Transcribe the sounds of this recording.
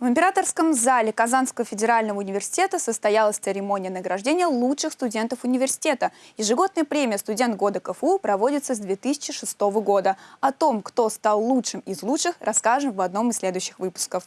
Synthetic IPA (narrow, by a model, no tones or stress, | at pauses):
vɨmʲpʲɪɾat̪ərskəmzalʲɪkɐzanskəvəfʲɪdʲɪɾalʲnəvəʊnʲɪvʲɪrsʲɪ̥tʲe̞t̪əsəst̪ɐjalˠəsʲt̪sɨɾʲɪmo̞nʲɪjənəɡɾɐʐdʲenʲɪjəlˠuʂɨxst̪ʊdʲe̞nt̪əfʊnʲɪvʲɪrsʲɪ̥tʲe̞t̪əjɪʐɨɡo̞d̪nəjəpɾʲemʲɪjəst̪ʊdʲe̞nt̪̚ɡo̞d̪əkəfupɾɐvo̞dʲɪt̪səzd̪vʲet̪ɨsʲɪ̥t͡ɕɪʂɨst̪o̞vəɡo̞d̪əɐt̪o̞mkt̪o̞st̪alˠːutʂɨmɪzlˠutʂɨxrʔɐskaʐɨmvɐd̪no̞mɨssʲːlʲe̞d̪ʊjʏɕːɪxvɨpʊ̥skəf